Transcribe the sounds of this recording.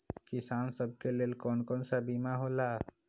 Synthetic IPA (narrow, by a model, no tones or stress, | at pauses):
kɪsaːnsəb̚keleːlkɔːnkɔːnsabimaɦola